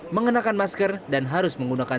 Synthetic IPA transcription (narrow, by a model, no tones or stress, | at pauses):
məŋənakanmaskərdanɦaɾʊsməŋɡunakan